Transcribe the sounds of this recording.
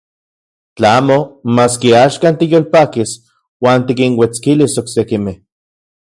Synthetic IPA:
t͡ɬaaːmomaːskiaːʃkaːnt̪ijoːlpaːkis | waːnt̪ikiŋwet͡skilisoksekimeh

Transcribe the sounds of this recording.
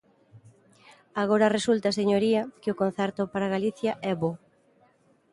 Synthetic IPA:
aɣoɾɐresult̪ɐaseɲoɾiɐkɪʊkon̟θɛɾt̪ʊpaɾaɣaliθjɐʔɛβo

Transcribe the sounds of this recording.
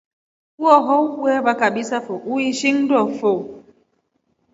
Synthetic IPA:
uɔɦowwɛbakaɓisafoʔuiʃiŋdɔfo

